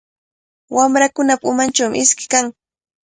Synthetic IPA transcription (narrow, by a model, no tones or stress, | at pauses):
wamɾakʊnapaʊmant͡ʃawmɪ̰ʔɪskɪ̥kaŋ